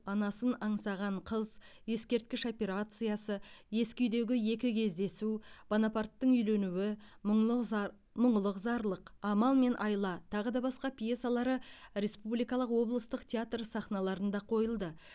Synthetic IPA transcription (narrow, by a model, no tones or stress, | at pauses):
ɑnɑsənɑɴsɑʁɑɴqʰəz | je̞skʲe̞ɾt̪̚kʲɪʃo̞pʲe̞ɾat̪sɨjasəje̞skʲʏjd̪e̞ɡʲɪje̞kʲɪkʲʰe̞zd̪e̞sub̥onapart̪ːəɴʏjle̞nuwɪ | mʊɴlˠəqzɑɾlˠəqɑmɑlˠme̞nʔɑjlˠɑt̪ʰɑʁəd̪ɑbɑsqɑpʲjesalˠɑɾəɾe̞spublijkɑlˠəqwo̞blˠəst̪əqt̪ʲʰeat̪rsɑχnɑlˠɑɾənd̪ɑqʰo̞jəlˠd̪ə